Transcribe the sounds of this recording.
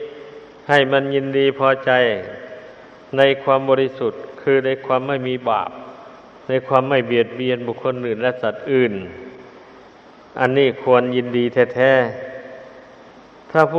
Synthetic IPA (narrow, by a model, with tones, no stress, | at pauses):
ha˧˨˩jma˧˥˨nji˧ndiː˧pʰɔː˧t͡ɕa˧j | na˧˥˨jkʰwaː˧˥˨mbɔː˧li˧su˨˩t̪̚kʰɯː˧na˧˥˨jkʰwaː˧˥˨mːa˥˩jmiː˧˥ba̰ː˨˩p̚ | na˧˥˨jkʰwaː˧˥˨mːa˧˥˩jbi˨˩ət̪̚bi˧ənbuː˨˩kʰːo˧˥˨nʔɯː˨˩nlɛ˧˥sa˨˩t̪̚ʔɯː˨˩n | ʔa˧nːiː˧˥˩kʰu˧ənji˧ndiː˧t̪ʰɛː˧˩t̪ʰɛː˧˥˩ | t̪ʰaː˧˩pʰu˧